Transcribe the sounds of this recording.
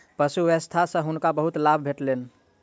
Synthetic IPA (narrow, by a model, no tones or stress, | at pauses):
pəsuʋest̪ʰasə̃ɦunkabəɦut̪labʱbʱeʈlen